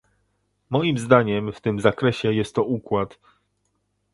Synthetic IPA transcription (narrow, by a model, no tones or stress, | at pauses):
mɔjimzd̪aɲɛmft̪ɘmzakɾɛɕɛjɛst̪ːɔukwat̪